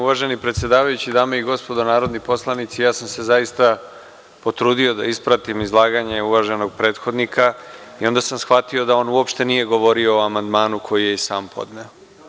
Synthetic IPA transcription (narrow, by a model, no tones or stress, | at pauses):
uʋaʒe̞nipɾet̪sje̞d̪aːʋajut͡ɕid̪aːmeiɡo̞spo̞d̪onaːɾo̞d̪nipo̞slˠanit̪sijaːsamse̞zaist̪a | po̞t̪ɾuːd̪io̞d̪a̰ispɾat̪imizlˠaːɡaɲe̞uʋaʒe̞no̞ɡ̚pɾe̞ːt̪xo̞d̪nikʰaio̞nd̪asamsxʋat̪io̞d̪ao̞ːnuopʃt̪e̞nije̞ɡo̞ʋo̞ɾio̞ːamand̪maːnukʰo̞jijesaːmpʰo̞̰d̪neo